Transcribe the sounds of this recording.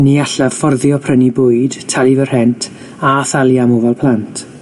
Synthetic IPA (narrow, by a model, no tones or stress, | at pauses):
niaɬḁfɔrðjɔpʰrənibʊːɨd̥tʰalˠivər̥hɛntʰ | aθalˠjamovɛlˠpʰlˠantʰ